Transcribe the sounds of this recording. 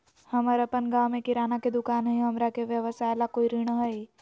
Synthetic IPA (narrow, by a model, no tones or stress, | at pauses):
hɐməɾɐpənɡaːwmẽkɪɾaːnaked̪ʊkaːnɦəiɦɐmɾakeʋjəʋəsaːelakoːiɾɪɽ̃əɦəi